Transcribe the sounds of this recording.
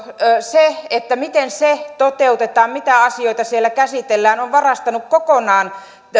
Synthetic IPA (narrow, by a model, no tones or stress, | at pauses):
seet̪ːæmit̪enset̪ot̪eut̪et̪ɑːmmit̪æɑsioit̪ɑsielːækæsit̪elːæːnoʋʋɑrɑst̪ɑnukkokonɑːn